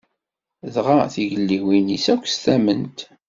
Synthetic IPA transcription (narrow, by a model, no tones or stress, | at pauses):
ðʁaθiʝəlːiwinisækʷːst̪æmənt̪